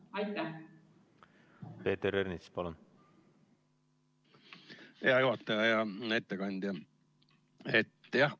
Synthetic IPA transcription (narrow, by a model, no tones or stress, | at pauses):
ɑjt̪ːæ | peːt̪eɾernit̪spɑlun | heɑjuɦɑt̪ːɑjɑjɑet̪ːekɑnʲd̪jɑ | et̪ːjɑh